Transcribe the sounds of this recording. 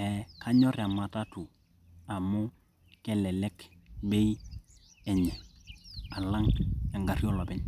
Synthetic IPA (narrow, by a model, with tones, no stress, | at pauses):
ɛ˨ka˦ɲɔ˦ɾɛ˨a˨ma˨ta˦tu˨ | a˨mu˦ | kɛ˦lɛ˨lɛ˦kbe˦j | ɛ˨ɲɛ˨ | a˨la˦ŋja˨ŋɡa˨ɾi˦ɔ˦lɔ˨bɛ˦ɲ